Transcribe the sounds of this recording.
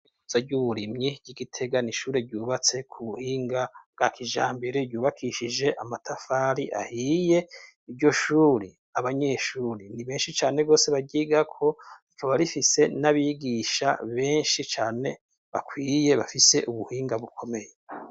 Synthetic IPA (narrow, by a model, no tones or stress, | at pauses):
uz̥aɟuβuɾimɲiɟ̥iɡitʰe̞ɡaniʃuːɾeɟuːβat͡se̞kʰuβuhiːŋɡabɡ̥akʰiʒaːmbeɾeɟuːβakʰiʃid͡ʒe̞ʔamatʰafaːɾiʔa̰hije̞ | iɾɟo̞ʃuːɾi | aβaɲe̞ʃuːɾiniβe̞ːnʃit͡ʃaːne̞ɡo̞ːse̞βaɡɟiːɡakʰo̞ikʰoβaɾifise̞naβiːɡiʃa̰βe̞ːnʃit͡ʃaːne̞ | βakwiːje̞βafise̞ʔuβuhiːŋɡaβukʰo̞me̞je